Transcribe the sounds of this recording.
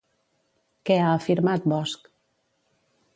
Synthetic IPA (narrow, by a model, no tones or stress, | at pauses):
kɛaəfiɾmat̪̚bɔsk